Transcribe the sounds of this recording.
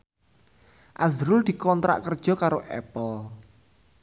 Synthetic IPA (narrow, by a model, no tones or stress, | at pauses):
ʔazɾʊld̪̥i̤kɔnt̪ɾa̰ʔkərd̥ʒ̥ɔ̤kaɾoʔɛ̰pəl